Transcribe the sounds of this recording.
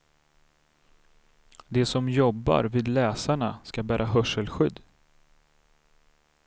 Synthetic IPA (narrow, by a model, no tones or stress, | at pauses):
d̪ɛsɔmjɔbːa̰ɾviːd̪lɛːsaɳaskabæːɾʔaɦœʂəlɧʏd̪ː